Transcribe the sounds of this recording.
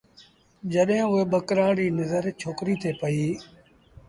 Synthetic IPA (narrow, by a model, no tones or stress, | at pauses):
d͡ʒəɗɦɪ̃ːʊeːɓəkɾaːɽiːnəzəɾt͡ʃʰoːkɾiːt̪ʰeːpəiː